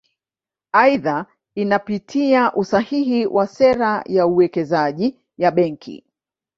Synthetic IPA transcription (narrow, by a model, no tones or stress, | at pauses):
aiða | inapitʰiaʔusahihiwʔasɛɾajauwɛkɛzaʄi | jaɓɛŋkʰḭ